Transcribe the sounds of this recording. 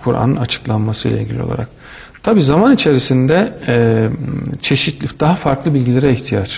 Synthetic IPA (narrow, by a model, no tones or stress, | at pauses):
kʰuɾʔa̰nɯnat͡ʃʰɯ̥klˠanmasɯjlˠa̰lʲɟʲilʲijo̞̰lˠa̰ɾa̰k̚ | t̪ʰabiːzamanit͡ʃʰe̞ɾisind̪ɛ | t͡ʃʰe̞ʃit̪lʲid̪̥aɦafaɾklˠɯbilʲɟilʲeɾɛiçt̪ʰijat͡ʃ